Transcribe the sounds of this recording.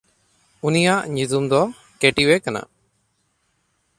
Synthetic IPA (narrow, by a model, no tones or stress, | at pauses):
unijaʔɲut̪umd̪ɔ | keʈiwɛkana̰